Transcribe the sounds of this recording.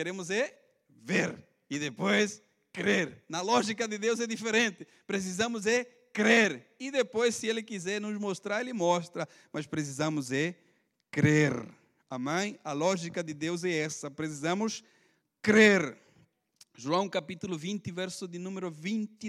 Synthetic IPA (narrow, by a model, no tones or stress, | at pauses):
keɾẽmʊzɛ | veɾ | ɪd̪epojs | kɾeɾnɐlɔʒikɐd̪ɪd̪ewzɛd̪ifeɾẽnt̪ɪ | pɾes̬izɐ̃mʊzɛ | kɾeɾɪd̪epojssɪelɪkizɛɾnʊzmost̪ɾaɾelɪmɔst̪ɾɐ | mʔɐspɾes̬izɐ̃mʊzɛ | kɾeɾ | ɐmɐ̃j̃ɐlɔʒikɐd̪ɪd̪ewzɛɛsɐpɾes̬izɐ̃mʊs | kɾeɾ | ʒuɐ̃w̃kapit̪ulʊvĩnt̪ɪvɛɾsʊd̪ɪnũmeɾʊvĩnt̪i